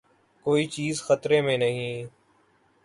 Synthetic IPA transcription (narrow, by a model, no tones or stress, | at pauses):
koːiːt͡ʃiːzxət̪ɾeːmẽnəɦĩː